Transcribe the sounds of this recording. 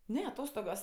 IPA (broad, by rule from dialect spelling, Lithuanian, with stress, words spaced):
ˈnʲɛ ɐˈtoːstoːɡoːs